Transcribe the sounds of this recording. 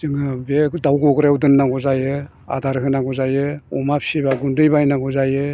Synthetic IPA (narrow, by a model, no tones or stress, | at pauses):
zɯŋɯbedawɡɔɡɾeudɯnːaɡɔzajɯ | a̰daɾɦɯnaŋɡuzajɯumap̚sibaɡundɯjbajnaɡuzajɯ